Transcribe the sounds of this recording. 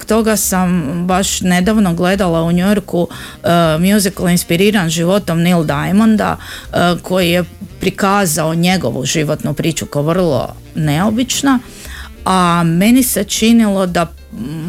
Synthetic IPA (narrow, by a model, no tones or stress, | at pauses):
okt̪o̞ɡasambaʃne̞d̪aʋnoɡle̞d̪alˠauɲujoɾku | mjuziklˠinspiɾiːɾanʒiʋo̞t̪omnild̪ajmond̪a̰kʰo̞jije̞pɾikaːzaoɲe̞ɡo̞̰ʋṵʒiʋo̞t̪nupɾiːt͡ʃukaoʋr̩lˠo̞̰ | ne̞o̞bit͡ʃna | ame̞nise̞t͡ʃinilˠo̞d̪a